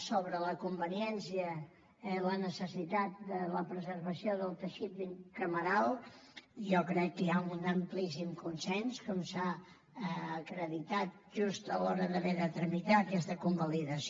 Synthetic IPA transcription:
soβɾələkumbəniɛnsiə | lənəsəsit̪at̪̚d̪ələpɾəzərβəsioðəlˠt̪əʃit̪̚biŋkəməɾalˠ | ʒɔkɾɛkːəjaunəmplisimkunsɛnskomsa | əːkɾəðit̪at̪̚ʒust̪əlɔɾəðəβeðət̪ɾəmit̪aəkɛst̪əkumbəliðəs

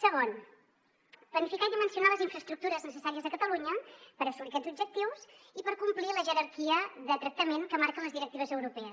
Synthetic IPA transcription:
səɣ̞on | plənifikaiðimənsiunaləziɱfɾəst̪ɾuk̚t̪uɾəznəsəsaɾiəzðəkət̪əluɲəpəɾəsulikɛzubd͡ʒək̚t̪iwsipəɾkumpliləʒəɾəɾkiəðət̪ɾək̚t̪əmeŋkəmaɾkənləzðiɾək̚t̪iβəzəwɾupɛəs

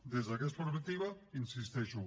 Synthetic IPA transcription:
d̪ezðakesfoɾmat̪iβainsist̪ɛʃu

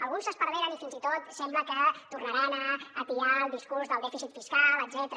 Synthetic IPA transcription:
əlˠɣunsəspəɾðeɾənifinzit̪ot̪sɛmbləkət̪urnaɾanəːt̪iɾalˠd̪iskuɾzðəlˠd̪ɛfizit̪fiskaləd̪zɛt̪əɾ

